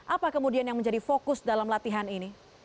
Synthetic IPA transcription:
ʔapakəmudianjaŋməɲd͡ʒadifokʊsdalamlat̪iɦanini

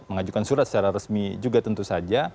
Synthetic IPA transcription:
məŋad͡ʒukansuɾat̪sə̥t͡ʃaɾaɾəsmid͡ʒuɡat̪ənt̪usad͡ʒa

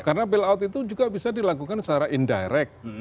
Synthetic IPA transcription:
karnabɛlawt̪it̪ud͡ʒuɡabisadilakukansəaɾaʔinda̰jɾɛk̚

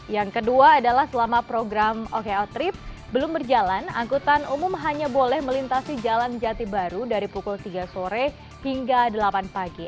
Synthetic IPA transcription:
jaŋkəduaːdalahsəlamapɾoɡɾamokeɔt̪ɾɪp̚ | bəlʊmbərd͡ʒalana̰ŋkut̪anumʊmɦaɲabolɛhməlint̪asid͡ʒaland͡ʒat̪ibaɾudaɾipukult̪iɡasoɾɛ | hiŋɡadəlapanpaɡi

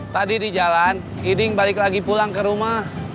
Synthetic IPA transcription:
t̪adidid͡ʒalan | idɪŋbalɪklaɡipulaŋkəɾumah

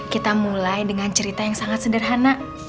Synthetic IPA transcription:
kit̪amulajdəŋant͡ʃəɾit̪ajaŋsaŋat̪̚sədərɦana

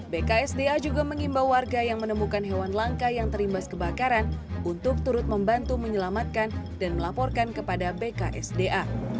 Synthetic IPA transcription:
bekaɛsdead͡ʒuɡaməŋimbawarɡajaŋmənəmukanɦewanlaŋkajaŋt̪əɾimbaskəbakaɾanunt̪ʊk̚t̪uɾʊt̪̚məmbant̪uməɲəlamat̪̚kan | danməlapɔrkankəpadabekaʔɛsdeʔa

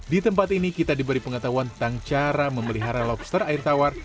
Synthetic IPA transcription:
dit̪əmpat̪inikit̪adibəɾipəŋət̪aɦuant̪aŋt͡ʃaɾaməməliɦaɾalɔpst̪ərairt̪awar

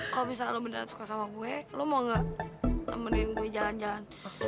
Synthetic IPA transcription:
kalobis̬alobənəɾasu̥kasamaɡuɛlomɔŋɡanə̰məninɡuɛd͡ʒaland͡ʒalan

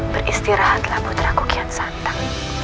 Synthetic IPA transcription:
b̥ərʔist̪iɾahat̪əlabut̪ɾakukiansant̪aŋ

